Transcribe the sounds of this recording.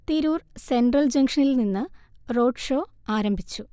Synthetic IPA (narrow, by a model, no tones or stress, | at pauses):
t̪iɾuːrse̞ɳɖrɐld͡ʑɐŋkʂɐnilninːɨro̞ːɖʂoː | aːɾɐmbʱit͡ɕːu